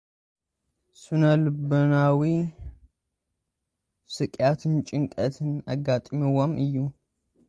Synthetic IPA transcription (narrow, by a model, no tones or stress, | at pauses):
sunəlɨbənawi | sɨkʼjat̪ʰɨnt͡ʃʼɪŋkʼət̪ʰɨnaɡːat̪ʼmɛwamɨjːu